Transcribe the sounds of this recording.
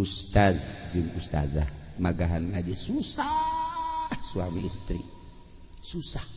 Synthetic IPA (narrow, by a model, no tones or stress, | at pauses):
ust̪azd͡ʒɨŋust̪a̰zamaɡaɦanŋad͡ʒasusa | suwamiːst̪ɾi | susḁh